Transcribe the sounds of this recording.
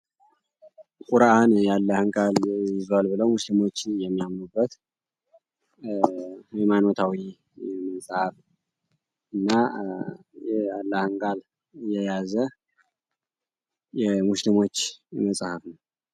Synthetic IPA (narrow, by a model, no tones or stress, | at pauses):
kʼuɾaʔanjalːəhɨŋkʼaljɪzwalbɨləwmuslimo̞t͡ʃːjɛmːijamnubːət̪ | jɛmanot̪ʰawi | ɛməsʼhəf | ʔɨnːa | jɛalːahɨŋkʼal | jɛjazə | jɛmuslimo̞t͡ʃːjɛməsʼhəfnəw